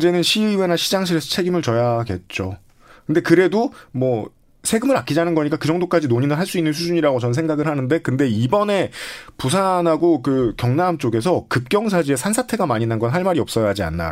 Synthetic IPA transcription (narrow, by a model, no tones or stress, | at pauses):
d͡ʑe̞nɯnɕʰiwe̞naɕʰid͡ʑaŋɕʰiɾe̞sʰʌt͡ɕʰe̞ɡimɯɭt͡ɕʌjaɡe̞t̚t͡ɕ͈o | kɯnde̞kɯɾe̞domwʌ | sʰe̞ɡɯmɯɾak͈ʰid͡ʑanɯnɡʌɲik͈akɯd͡ʑʌŋdok͈ad͡ʑinoɲinɯɭɦaɭs͈uinːɯns̬ʰud͡ʑuɲiɾaɡot͡ɕʌns̬ʰe̞ŋɡaɡɯɭhanɯnde̞kɯnde̞ibʌne̞pus̬ʰanɦaɡokɯkjʌŋnamt͡ɕ͈oɡe̞s̬ʰʌkɯp̚k͈jʌŋsʰad͡ʑie̞sʰansʰatʰe̞ɡamaɲinːanɡʌnɦaɭmaɾiʌp̚s͈ʌjad͡ʑia̰nːa̰